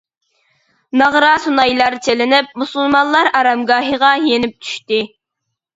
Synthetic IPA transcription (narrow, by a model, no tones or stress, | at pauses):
nɑʁɾɑːsunɑjlˠɑɾt͡ʃʰelɪnɪp̚musulˠmɑnlˠɑɾɑɾɑmɡɑːɦiʁɑjenɪp̚t͡ʃ̪ʰy̥ʃt̪ɪ